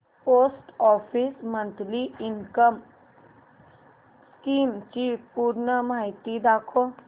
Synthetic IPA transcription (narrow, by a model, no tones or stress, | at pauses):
poːsʈɔːpʰismə̃nt̪liɪŋkəm | skiːmt͡ʃiːfpuːɾnəmaɦit̪id̪aːkʰo